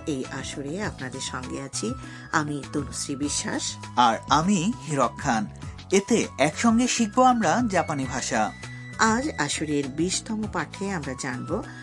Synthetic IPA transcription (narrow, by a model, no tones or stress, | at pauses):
ejʔaʃuɾeapnad̪eɾʃɔŋɡeat͡ɕʰi | amit̪olusɾibiʃːa̰ʃaɾamihiɾokʰːan | et̪eɛkʃɔŋɡeʃik̚boamɾad͡ʑapanibʱaʃa | ad͡ʑaʃuɾeɾbiʃt̪ʰɔmopaʈʰːeamɾad͡ʑanbo